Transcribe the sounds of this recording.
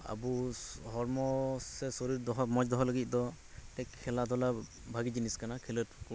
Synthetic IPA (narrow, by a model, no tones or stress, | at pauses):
a̰buɦɔɾmɔsɛsɔɾiɾd̪ɔɦɔmɔd͡ʒd̪ɔɦɔlaɡit̪̚ˀd̪ɔ | t̪ɛkʰːɛlad̪ʱɔla | bʱaɡid͡ʒiniskanakʰɛlətk